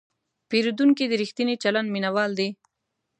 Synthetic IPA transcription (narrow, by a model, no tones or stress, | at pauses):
peɾud̪uŋkid̪əɾixt̪init͡ʃaland̪minawɑld̪e